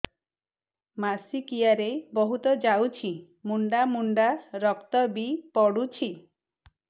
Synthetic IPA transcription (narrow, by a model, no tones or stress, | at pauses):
masikijaɾebɔɦut̪ɔd͡ʒawt͡ʃʰi | muɳɖamuɳɖaɾɔkt̪ɔbipɔɽut͡ʃʰi